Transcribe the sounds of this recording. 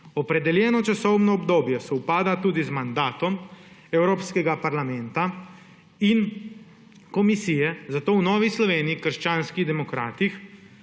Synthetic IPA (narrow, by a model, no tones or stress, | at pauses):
ɔpɾɛd̪ɛljɛːnɔt͡ʃasɔwnɔːbd̪oːbjɛsɛupaːd̪at̪uːd̪izmand̪aːt̪ɔmɛwɾoːpskɛɡapaɾlamɛnt̪a | in | kɔmisijɛzat̪oːwnɔːʋislɔʋeːniːkəɾʃt͡ʃaːnskiɣd̪ɛmɔkɾaːt̪ix